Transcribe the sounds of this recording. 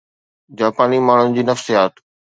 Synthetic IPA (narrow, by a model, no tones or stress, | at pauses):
d͡ʑaːpaːnimaːɳ̤ʊnɪ̆d͡ʑiːnɐfsijaːt̪